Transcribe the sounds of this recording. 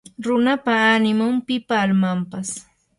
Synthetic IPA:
ɾʊnapaːnɪmʊmpɪpaːlmampas

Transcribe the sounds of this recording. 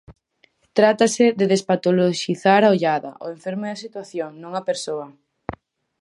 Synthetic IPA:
t̪ɾat̪aseðeðespat̪oloʃiθaɾaoʎaðɐ̰ʔo̰ẽɱfeɾmʊðɐsit̪waθjoŋnõŋɐpeɾsoɐ

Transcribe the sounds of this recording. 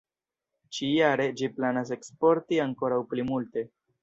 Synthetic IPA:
t͡ʃijaɾe̞d͡ʒiplanas̬e̞kspo̞ɾtiaŋko̞ɾawplimulte̞

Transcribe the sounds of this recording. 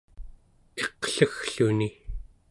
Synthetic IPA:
eqɬəxɬuni

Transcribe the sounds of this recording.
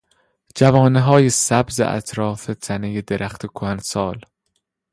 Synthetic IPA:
d͡ʒævɒːneɦɒːjesæbzḛʔæ̰t̪ʰɾɒːfet̪ʰænejed̪eɾʔæxt̪ʰekʰoænsɒːl

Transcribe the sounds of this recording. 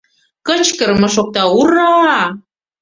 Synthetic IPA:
kə̆t͡ɕkə̆rmɤ̆ʃ̬ok̚t̪ɑuɾɑ

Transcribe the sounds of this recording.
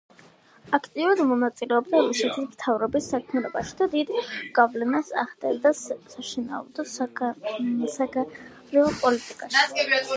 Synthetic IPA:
akʰt̪ʼiuɾad̪mɔnat̪sʼilɛɔbd̪amuʃɛt̪ʰismt̪ʰavɾɔbisːakʰmɛlɔbaʃi̥d̪ad̪id̪ɡ̥avlɛnasa̰ʁd̪ɛld̪asaʃina̰ɔ̰d̪ɔ | sa | ɾiɔpʼɔlit̪ʼikʼaʃi

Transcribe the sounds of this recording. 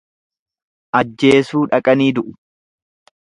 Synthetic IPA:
ʔɐd͡ʒːe̞ːsuːᶑɐkʼɐniːd̪ʊʔʊ̥

